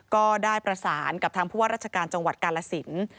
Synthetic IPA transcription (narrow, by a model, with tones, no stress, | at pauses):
kɔː˥˩daː˥˩jpɾa˧saː˩˦nka˨˩p̚t̪ʰaː˧ŋpʰuː˥˩a˥ɾaː˥˩t͡ɕa˧kaː˧nt͡ɕa˧ŋwa˨˩t̪̚kaː˧la˧si˩˦n